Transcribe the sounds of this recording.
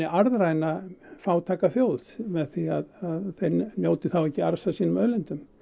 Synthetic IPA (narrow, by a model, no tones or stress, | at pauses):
ɪʔaɾðrajnafaːwt̪ʰaːkaθjoːwθmɛðθiaðaðθejɾnjoːwt̪ɪθawɛhcːɪaɾsasiːnʏmœːlɪnt̪ʏm